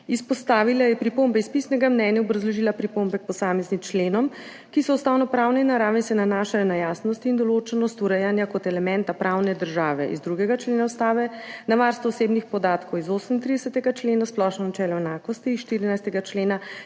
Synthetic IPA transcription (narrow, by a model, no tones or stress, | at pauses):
ispɔst̪aːʋilajɛpɾipombɛispisnɛɡamnɛnjaɔbɾazlɔʒilapɾipombɛk̚pɔsaːmɛznimt͡ʃleːnɔm | kisɔust̪aːwnɔpɾaːwnɛinaɾaːʋɛnsɛnanaːʃajɔnajaːsnɔst̪iːnd̪ɔloːt͡ʃɛnɔst̪uɾɛjanjakɔt̪ɛlɛmɛnt̪apɾawnɛd̪əɾʒaːʋɛ̰ʔḭzd̪ɾuɡɛɡat͡ʃleːnawst̪aːʋɛnaʋaɾst̪ʋɔːseːbnixpɔd̪aːt̪kɔwizosəmint̪ɾid̪ɛsət̪ɛɡat͡ʃleːnasplɔʃnɔnat͡ʃɛːlɔɛnaːkɔst̪iːsʃt̪iɾinajst̪ɛɡat͡ʃleːna